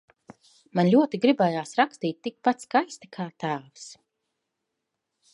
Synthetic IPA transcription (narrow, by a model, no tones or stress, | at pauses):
manlʲuɔt̪iɡɾibɛjaːsɾakst̪iːt̪̚ʲːik̚pat̪skajst̪akʰaːt̪aːvs